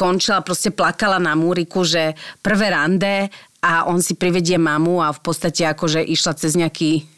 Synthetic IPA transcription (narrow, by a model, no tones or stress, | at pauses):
kɔnt͡ʃilapɾɔscɛplakalanamuːɾikuʒɛpr̩ʋɛːɾand̪ɛaʔɔnsipɾiʋɛɟɪɛmamuafpɔt̪st̪acɛakɔʒɛʔiʃlat͡sɛzɲɛakiː